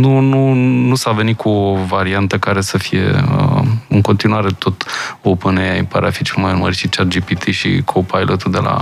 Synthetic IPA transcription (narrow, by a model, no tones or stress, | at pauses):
nununusave̞nit̪̚kʰuovaɾiant̪əkaɾe̞səfije̞̰ə̰ɨŋko̞nt̪inuaɾe̞t̪o̞t̪opɨneaḭpaɾea̰fit͡ʃelmajɨnməɾʲʃit͡ʃat̪d͡ʒipit̪ʰiʃḭkʰopʰajlʔət̪ud̪e̞la̰